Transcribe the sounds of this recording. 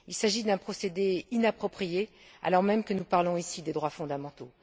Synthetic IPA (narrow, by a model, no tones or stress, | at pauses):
ilsaʒid̪ɛ̃pχɔsed̪einapχɔpχije | a̰lɔʁmɛmkənupaʁlɔ̃isid̪ed̪ʁwafɔ̃d̪amɑ̃t̪o